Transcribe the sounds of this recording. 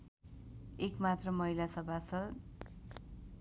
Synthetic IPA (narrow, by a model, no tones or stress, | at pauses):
ekmat̪rʌmʌɦilasʌbʱasʰʌ